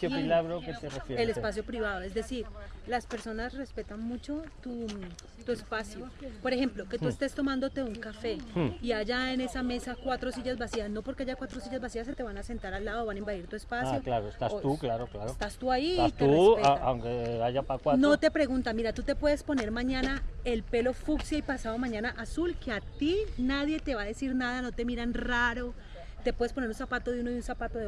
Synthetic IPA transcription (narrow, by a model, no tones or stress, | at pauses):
kepilaɣɾokeserefjeɾelespas̬jopɾiβaðoe̞zd̪e̞siɾlaspe̞ɾso̞nasre̞spe̞t̪anmut͡ʃo̞t̪u | t̪uespasjopo̞ɾexe̞mplo̞ket̪uest̪e̞st̪o̞mãnd̪o̞t̪e̞uŋkafe̞iad͡ʒaene̞same̞sakwat̪ɾo̞siʝazbasiasno̞po̞ɾke̞aʝakwat̪ɾosiʝazbasiaset̪e̞β̞anase̞nt̪aɾalːaðooβanaimbaðiɾt̪ue̞spasajoklaɾoest̪auklaɾoklaɾost̪ast̪uaiːst̪eureeaa̰wŋkeaʝapakwanot̪e̞pɾe̞ɣunt̪amiɾat̪ut̪e̞pwe̞ðespone̞ɾmaɲanae̞lpe̞lo̞fuksjaipasaðomãɲanaʔasulkeat̪inaðjet̪e̞βaðe̞siɾnaðano̞t̪e̞miɾanraɾo | t̪e̞pwe̞ðespone̞ɾunsapat̪o̞ðeunoðunsapat̪oðe